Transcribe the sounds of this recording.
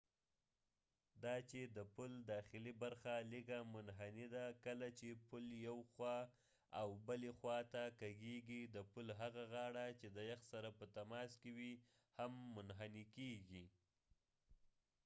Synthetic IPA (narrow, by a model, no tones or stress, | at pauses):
d̪ɑt͡ʃed̪əpuld̪ɑxɪlibaɾxaliɡamʊnɦanid̪akəlat͡ʃepuljawxwɑ | awbəlexwɑt̪akaɡeɡid̪əpulɦaɣaɣɑɽat͡ʃed̪əjaxsaɾapət̪amɑskewi | hamːʊnɦanikeɡi